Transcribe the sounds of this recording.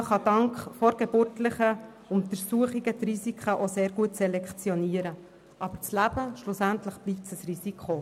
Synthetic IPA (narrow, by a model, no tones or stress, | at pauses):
χɑd̥ɑŋkχfɔɾɡ̥eb̥ʊrtləχə | ʊmt̪əɾsuəχiɡət̪risikχəʔoseːɾɡ̥uətsɛlɛkt͡sjɔniːəɾə | ʔɑb̥əɾt͡slæbəʃlʊsæntləχb̥liːp̚səsrisikʰχo